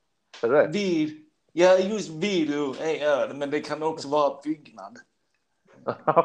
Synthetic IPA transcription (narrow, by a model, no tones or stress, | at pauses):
vi | jajɵst̪viːɾɛʊɛœːɾmɛnd̪ɛkʰanɔksɔvɑːɾabʏɡna̰d̪